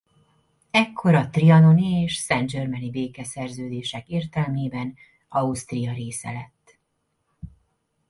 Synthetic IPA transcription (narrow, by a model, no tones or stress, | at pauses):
ɛkʰːo̞ɾɒt̪riɒno̞nieːʃsɛnd͡ʒørmɛnibeːkɛsɛrzøːd̪eːʃɛkeːrt̪ɛlmeːbɛn | ɒust̪rijɒɾeːsɛ̰lɛt̪ː